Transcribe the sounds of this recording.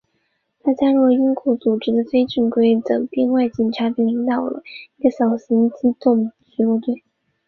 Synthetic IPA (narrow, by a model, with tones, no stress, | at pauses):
t̪ʰa˥t͡ɕja˥ɻu˥˩lə˩i˥ŋkʰu˥˩t͡su˨˩ʈ͡ʂɻ̩˧˥d̪ə˧fe˥ɪʈ͡ʂi˥˩ŋkwe˥ɪt͡sɤ̰˨˩ŋpji˥˧nwa˥˩ɪt͡ɕi˨˩nʈ͡ʂʰa˧˥pji˥˩ŋli˧˥ŋt̪ɑ˨˩ʊlə̰˦i˧˥ɡə˧ɕjɑ˨˩ʊɕi˧˥ŋt͡ɕi˥t̪ʊ˥˩ŋt͡ɕy˧˥ɔ˥˧t̪we˥˩